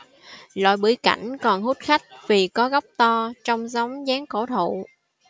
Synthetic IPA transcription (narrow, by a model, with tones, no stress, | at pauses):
la̰ː˧˨jɓɨ˧˩jka˧˩jŋ̟kɔ˨˩nhu˦˥t̚xa˦˥jk̟̚vi˨˩kɔ˨˦ɣɔ˦˥wp̚t̪ɔ˧t͡ɕɔ˧wŋ͡mza˨˦wŋ͡mzaː˨˦ŋko˧˩t̪ʰṵ˧˨